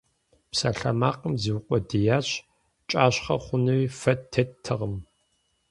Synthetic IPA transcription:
psaɬɐmaːqəmziwʊqʷʼɔdijaːɕ | t͡ʃʼaːɕχɐ̰χʷʊnɨwifɐtʰːɐtʰːɨʁəm

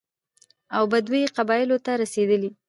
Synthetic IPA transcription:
awbad̪weqabɑjɪlot̪aɾased̪əli

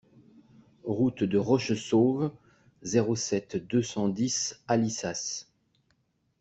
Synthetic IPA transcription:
ʁut̪d̪əʁɔʃsov | zeʁosɛt̪d̪øsɑ̃d̪isalisas

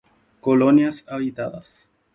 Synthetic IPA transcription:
koloniasabit̪ad̪as

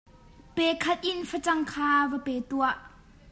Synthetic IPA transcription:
pɛkʰɐt̪̚ʔɪnfɐt͡sɐŋkʰaːvɐpɛːt̪uɐʔ

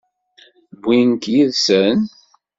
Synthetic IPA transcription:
bːinkjiðsən

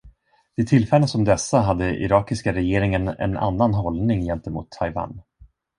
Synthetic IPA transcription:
d̪̥ɪt̪ʰɪlfɛlːənsɔmd̪ɛsːaɦad̪ːəʔɪ̰ɾɑːkɪskaɾɛjeːɾɪŋənɛ̰na̰nːanɦɔlnɪŋjɛnt̪əmṵːt̪ʰːajva̰ːn

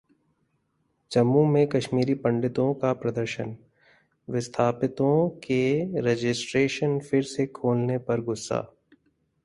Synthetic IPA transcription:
d͡ʒɐmːumẽkɐʃmiːɾipɐ̃ɳɖɪt̪õkapɾɐd̪əɾʃən | ʋɪst̪ʰaːpɪt̪õkeɾed͡ʒɪsʈɾeːʃənfʰɪɾsekʰoːlnepɐɾɡʊsːa̰ː

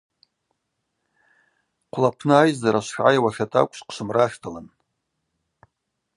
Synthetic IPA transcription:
qʷʰlapʰnɨajzaɾaʃʷħʕajawaʂatʰʼa̰kʷʼʃqʰʃʷɨmraʃᶣtʰalan

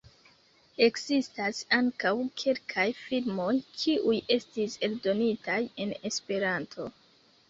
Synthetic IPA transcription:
e̞kzistasaŋkawkʰe̞lkʰajfilmo̞jkʰiʔuje̞stise̞ldo̞nitaje̞ne̞spe̞ɾantʰo̞̰

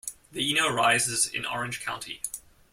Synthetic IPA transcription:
ðiinoʊɹaɪzɪzɪ̰̃nɔ̰ɹɨ̃nʒ̥kʰãʊ̃ntʰḭ

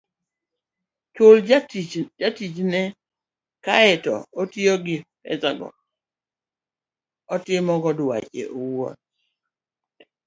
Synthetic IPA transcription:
t͡ʃol | d͡ʒatit͡ʃnɛ | kaɛtɔ̰otjoɡɪpɛ̰zaɡɔ̰ | ɔtɪmɔɡɔdwa̰t͡ʃḛʔowɔ̰t̚

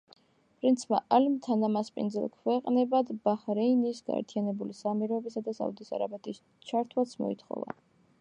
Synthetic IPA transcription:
pʼɾint̪sʰmaʔalmt̪ʰanamaspʼḭnd̪zɛ̰lˠkʰwɛqʼnɛbad̪baχɾɛinisɡa̰ɛ̰ɾt̪ʰianɛbulisamiɾɔɛbisad̪asa̰ud̪isa̰ɾabɛt̪ʰʼis | t͡ʃʰaɾt̪ʰwat̪sʰmɔ̰ḭt̪ʰχɔ̰va̰

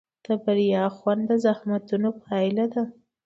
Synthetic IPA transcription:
d̪̥əbaɾijɑxwand̪əzahmat̪unopəɑɪlad̪a

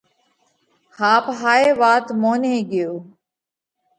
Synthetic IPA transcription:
haːpɦaːeːʋaːt̪moːneːɡɪjoː

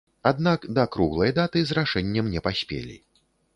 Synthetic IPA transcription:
ad̪nakd̪ɐkɾuɣlˠɐjd̪at̪ɨzraʂɛnʲːɐmnʲɛpasʲpʲḛlʲḭ

